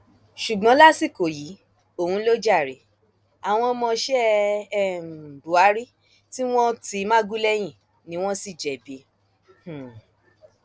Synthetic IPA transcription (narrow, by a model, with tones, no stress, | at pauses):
ʃu˨ɡ͡bɔ̃˨˦la˦si˦˨ko˨ji˨˦ | o˦˨hũ˧˦lo˦d͡ʒa˦˨ɾe˨˦ | a˨w̃ɔ̃˧mɔ̃˧ʃɛ˦˨ | bu˨a˨˦ɾi˦ | ti˦w̃ɔ̃˦ti˧mãã˦ɡu˦lɛ˦j̃ĩ˦˨ | nĩ˨˦w̃ɔ̃˦si˦˨d͡ʒɛ˨be˨˦ | h̩˨